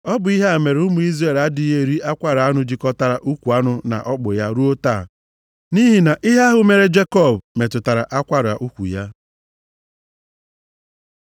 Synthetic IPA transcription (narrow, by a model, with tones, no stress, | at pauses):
ɔ˦bʊ˨i˦ɦe˦a˨me˨ɾʊ˦mʊ˨i˦zɾe˦˨la˦dɪ˦ɦe˦˨ɾi˦a˦kʷa˦ɾa˦nʊ˨d͡ʒi˦kɔ˦ta˦ɾa˨ʔu˦kʷu˨a˦nʊ˨na̰˨ʔɔ˦k͡pʊ˨ja˦ɾu˦o˦taː˦˨ | ni˦ɦi˨na˨ʔɪ˦ɦa˦ɦʊ˦me˨ɾe˦d͡ʒe˦kɔ˦˨bme˨tʊ˨ta˨ɾa̰˨ʔa˦kʷa˦ɾa̰˨ʔu˦kʷṵ˨ja˦